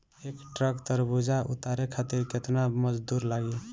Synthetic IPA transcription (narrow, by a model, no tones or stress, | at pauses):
ekʈɾəkt̪əɾbud͡ʒaʔṵt̪aɾekʰat̪iɾket̪naməd͡ʒd̪uɾlaɡi